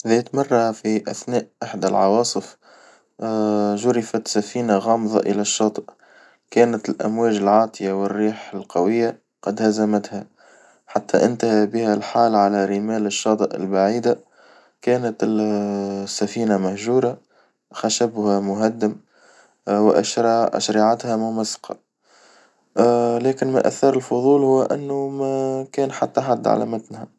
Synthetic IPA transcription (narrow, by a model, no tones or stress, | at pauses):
ðɛːt̪mɑrˤːɑfiʔæθnæːʔʔɪħd̪alʕɑwɑːsˤɨf | ʒʊɾɪfat̪safiːnaɣɑːmðˤɑ̰ʔɪlæʃːɑːt̪ˤɨʔ | kæːnat̪lʔæ̰mwæːʒɪlʕɑːt̪ˤɨjawɪrːiːħɪlqɑwɪjːa | qɑd̪hæzamæt̪ha | ħat̪ːæʔɪnt̪ahabɪhælħaːlʕalæɾimæːlɪʃːɑːt̪ˤɨʔɪ̰lbaʕiːd̪a | kæːnɪt̪ɪ | sːæfiːnamæhʒuːɾa | xaʃabhamʊɦad̪ːɪm | wɪʔa̰ʃɾˤɑʔʃɾiʕat̪hæmʊmæsːɑ̥qɑ̰ | lɛːkɪnma̰ʔæ̰θːɑɾˤɪlfʊðˤuːlhʊwːʔɪ̰nːʊmækɛːnħat̪ːaħad̪ːʕa̰læ̰mat̪nhæ